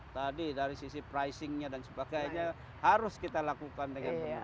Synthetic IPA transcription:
t̪adidaɾisisipɾajsɪŋɲadansəbaɡajɲa | haɾʊskit̪alakukandəŋanpəa

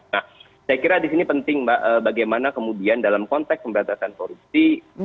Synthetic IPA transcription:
nah | sajakiɾadisinipənt̪ɪŋbaəːbaɡajmanakəmudiandalamkɔnt̪ɛkspəmbəɾat̪asankoɾup̚si

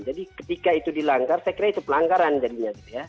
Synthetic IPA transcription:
d͡ʒadikət̪ikait̪udilaŋɡarsajakiɾait̪upəlaŋɡaɾand͡ʒadiɲaɡ̪it̪uja

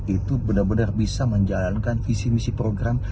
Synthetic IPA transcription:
it̪ubənərbənərbisaməɲd͡ʒalankanfisimisipɾoɡɾam

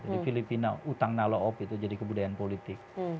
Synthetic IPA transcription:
d͡ʒadifilipinaut̪aŋnaloɔpit̪ud͡ʒadikəbudajanpolit̪ɪk̚

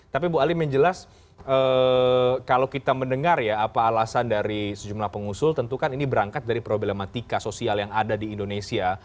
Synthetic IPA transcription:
t̪ap̬ibualɪmjəɲd͡ʒəlas | ʔə | kalawkit̪aməndəŋarjaːpaːlasandaɾisəd͡ʒumlahpəŋusʊlt̪ənt̪ukaninibəɾaŋkat̪̚daɾipɾoblemat̪ikasosialjaŋadadiːndonesia

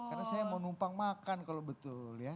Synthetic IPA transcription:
karnasajamonumpaŋmakankalobət̪ʊlja

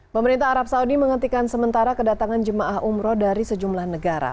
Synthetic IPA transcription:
pəməɾint̪aɦaɾap̚saudiməŋət̪ikansəmənt̪aɾakədat̪aŋand͡ʒəmaʔahumɾɔdaɾisəd͡ʒumlahnəɡaɾa̰

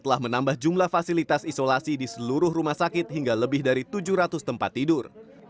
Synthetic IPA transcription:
t̪əlahmənambahd͡ʒumlahfasilit̪asisolasidisəluɾʊhrumahsakɪt̪̚hiŋɡaləbɪhdaɾit̪ud͡ʒuhɾat̪ʊst̪əmpat̪ːidʊr

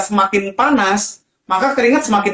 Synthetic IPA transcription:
səmakɪnpanas | makakəɾiŋat̪̚səmakɪ

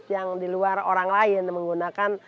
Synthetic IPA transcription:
t̪jaŋdiluaroɾaŋlaɪnməŋɡunakan

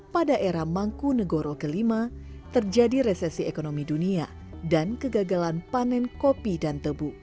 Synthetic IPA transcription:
padaʔeɾamaŋkunəɡoɾokəlimat̪ərd͡ʒadiɾesɛsiekonomidunia | dankəɡaɡalanpanɛnkopidant̪əbu

